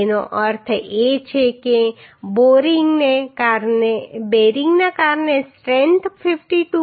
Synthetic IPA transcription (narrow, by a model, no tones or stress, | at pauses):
eno̰ʔəɾt̪ʰet͡ʃʰekeboɾiŋɡnekaɾnebeɾiŋɡnakaɾnesʈɾɛ̃nt̪ʰfifʈiʈu